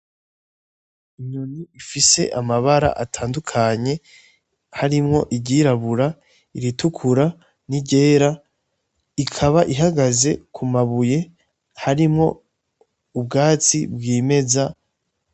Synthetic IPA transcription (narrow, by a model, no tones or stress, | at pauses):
iɲoniifise̞̰ʔamaβaɾa̰ʔatʰaːndukʰaɲe̞ | haɾimŋo̞ʔiɟiɾaβuɾa | iɾitukʰuɾa | niɟe̞ːɾa | ikʰaβaʔiɦaɡaze̞kʰumaβuje̞ | haɾimŋo̞̰ | ub̚ɡaːt͡sḭbɡiːme̞za